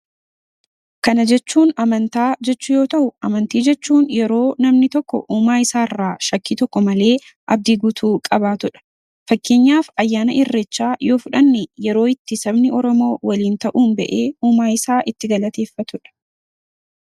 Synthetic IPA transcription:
kɐnɐd͡ʒɛt͡ʃːuːnɐmɐnt̪aːd͡ʒɛt͡ʃːʊjo̞ːt̪ɐʔʊʔɐmɐnt̪iːd͡ʒɛt͡ʃːuːnjɛɾo̞ːnɐmnɪt̪ɔkːɔ̰ʔuːmaːɪsaːɪrːaːʃɐkːiːt̪ɔkːɔmɐle̞ː | ʔɐ̰b̚d̪iɡʊt̪ʰuːkʼɐbaːt̪ʊᶑɐ̥ | fɐkːeːɲːaːfɐjːaːnɐʔɪrːɛt͡ʃːaːjo̞ːfʊᶑɐnːɪjɛɾo̞ːɪt̪ːɪsɐbnɪɔɾɔmo̞ːwɐliːnt̪ɐʔuːnbɛ̰ʔeːuːmaːɪsaːʔɪt̪ːɪɡɐlɐt̪e̞ːfːɐt̪ʊᶑɐ̥

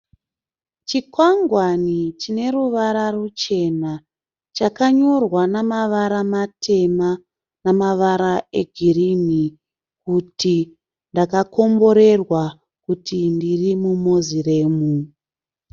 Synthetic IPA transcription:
t͡ʃikwaŋɡwanit͡ʃine̞ruʋaɾarut͡ʃe̞na | t͡ʃakaɲo̞rwanamaʋaɾamatʰe̞ma | namaʋaɾae̞ɡʱiɾini | kuti | ndakako̞mbo̞ɾe̞rwa | kutindirimumozire̞ːmu

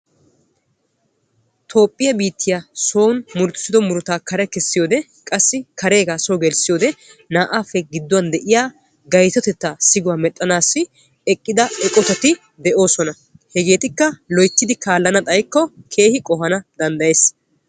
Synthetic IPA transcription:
t̪ʰo̞ːpʼːɪjɐbiːt̪ʰːɪjaso̞ːnmʊɾt̪ɪ̥sɪd̪ɔmʊɾʊt̪aːkɐɾɛkɛsːɪjo̞ːd̪ɛ | kʼɐsːɪkɐɾe̞ːɡaːsɔːɡɛlsɪjo̞ːd̪ɛnaːʔaːfːɛɡɪd̪ːʊwɐnd̪ɛʔɪjaː | ɡɐjt̪ɔt̪ɛt̪ːasɪɡʊwaːmɛt̪ʼːɐnaːsːɪ | ɛkʼːɪd̪ɐɛkʼɔt̪ɐt̪ɪ | d̪ɛʔo̞ːsɔnɐ | hɛɡe̞ːt̪ɪkːɐlɔjt̪ːɪd̪ɪkaːlːɐnɐt̪ʼɐjkːɔkʰe̞ːhɪkʼɔhɐnɐd̪̥ɐnd̪ɐje̞ːs

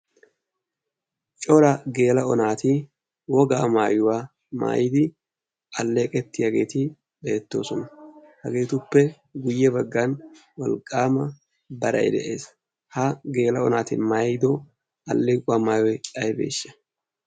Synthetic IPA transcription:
t͡ʃʼɔɾɐɡe̞ːlɐɔnaːt̪ɪ | wɔɡaːmaːjʊwaː | ma̰ːjɪd̪ɪ | ɐlːe̞ːkʼɛt̪ːɪjaɡe̞ːt̪ɪ | be̞ːt̪ːo̞ːsɔnɐhɐɡe̞ːt̪ʊpːɛ | ɡʊjːɛbɐɡːɐnwɐlkʼːaːmɐ | bɐɾɐ̰jd̪ɛ̰ʔe̞ːs | hɐɡe̞ːlɐɔnaːt̪ɪmaːjɪd̪o | ɐlːeːkʼʊaːmaːjwɔjt͡ʃɐjbe̞̰ːʃːɐ̥

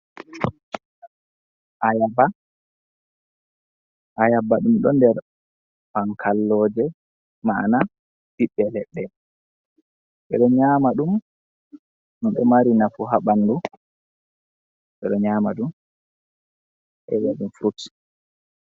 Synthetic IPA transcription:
ʔajaba | ʔajabaɗumɗɔndɛɾ | paŋkʰalːɔːd͡ʒɛ | mana | biɓːɛlɛɓːɛ | ɓɛ̰ɗɔɲamaɗum | nɔnɓɛmaɾinafuɦaɓanːdu | ɓɛɗɔɲaːmaɗum | ʔɛ̰waɗumfɾuts

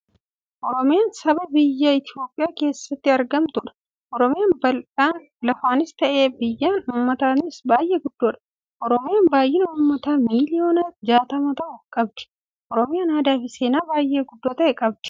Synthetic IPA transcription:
ʔɔɾɔmɪjaːnsɐbɐbɪjːɐɪt̪ɪo̞ːpʼːɪjaːke̞ːsːɐt̪ːɪɐɾɡɐmt̪ʊᶑɐ̥ | ʔɔɾɔmɪjaːnbɐlᶑaːn | lɐfaːnɪst̪ɐʔe̞ːbɪjːaːnʊːmːɐt̪aːnɪsbaːjʔeːɡʊd̪ːoːᶑɐ̥ | ʔɔɾɔmɪjaːnbaːjːɪnʊːmːɐt̪aːmiːlɪjoːnɐd͡ʒaːt̪ɐmɐt̪ɐʔʊkʼɐb̚d̪̥ɪ̥ | ʔɔɾɔmɪjɐnaːd̪aːfɪseːnaːbaːjʔːeɡʊd̪ːoːt̪ɐɛkʼɐb̚d̪̥ɪ̥

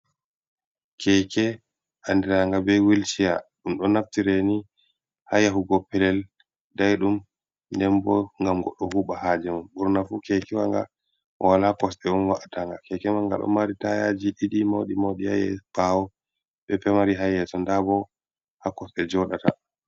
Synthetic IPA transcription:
kʰɛkɛ | ʔandiɾaŋɡabɛwilt͡ʃijaɗumɗɔnaftiɾɛni | hajahuɡɔpːɛlɛl | dajɗum | ndɛmbɔŋɡamɡɔ̰ɗːɔhuɓahad͡ʒɛmanɓuɾnafukɛkɛwaŋɡa̰ | ɔwalakɔsɗɛɗumwaʔataŋɡa̰kɛkɛmaŋɡa̰ɗɔ̰maɾitaja̰d͡ʒiɗiɗimoɗimoɗiha̰jɛ̰b̥awɔ | ɓɛpɛmaɾiɦajɛtɔndabɔ | hakɔsɗɛd͡ʒɔɗata

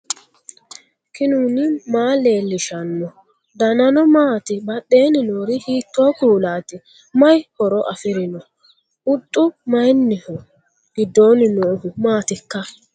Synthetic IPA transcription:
kɪnuːnɪmaːle̞ːlːɪʃɐnːɔ | d̪ɐnɐnɔmaːt̪ɪbɐɗːe̞ːnɪnoːɾɪhiːt̪ːoːkuːlaːt̪ɪ | mɐjhɔɾɔʔɐfɪɾɪnɔ | ʊt̪ʼːʊmɐjnːɪhʊ | ɡ̥ɪd̪ːo̞ːnɪnoːhʊmaːt̪ɪkːɐ

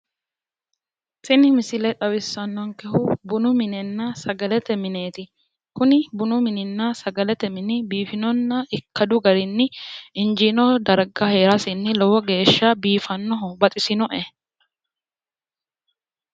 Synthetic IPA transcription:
sɪnɪmɪsɪlɛt̪ʼɐwɪsːɐnːɔŋkɛhʊbʊnʊmɪnɪnːasɐɡɐlɛt̪ɛmɪneːt̪ɪ | kʊnɪbʊnʊmɪnɪnːasɐɡɐlɛt̪ɛmɪnɪbiːfɪnɔnːɐɪkʰːɐd̪ʊɡɐɾɪnːɪɪnd͡ʒinɔd̪ɐɾɡɐhe̞ːɾɐsɪnːɪlɔwɔɡe̞ːʃːabiːfɐnːɔɦɔbɐt̪ʼɪsɪnɔʔɛ

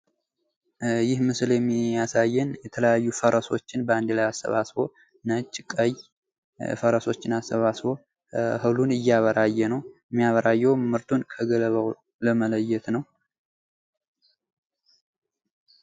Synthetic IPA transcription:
jɪhmɨsljɛmːijasajːɛnjɛt̪ʰələjajːufəɾəso̞t͡ʃːɪnbəand̪lajasːə̰βasbo̞ | nət͡ʃʼːɪkʼəj | fəɾəso̞t͡ʃːɪnasːəβasβo̞ | hɨlunɨjːaβəɾajːɛnəw | mːijaβəɾajːɛwmɨɾt̪ʰunkʰəɡələβəw | ləmələjːɛt̪nəw

